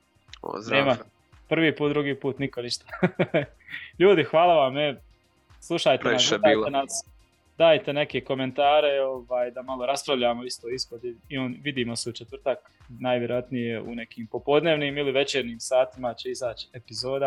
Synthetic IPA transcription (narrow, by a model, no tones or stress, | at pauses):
neːma | pr̩ʋiːpuːt̪d̪ɾuɡiːpuːt̪niko̞niʃt̪ḁ | ʎuːd̪ixʋaːlˠaʋame | slˠuʃajt̪enasiːlenas | d̪aːjt̪e̞ne̞ke̞ko̞me̞nt̪aːɾe̞o̞ʋaːjd̪amalˠoɾaspɾaʋʎaːmo̞ist̪oispod̪iionʋid̪iːmo̞seut͡ʃet̪ʋr̩t̪ak | naːjʋʲjeɾojat̪nije̞ṵne̞kiːmpo̞po̞d̪neːʋniːmiliʋe̞t͡ʃeːɾniːmsaːt̪imat͡ɕeizaːt͡ʃi̥epizo̞ːd̪a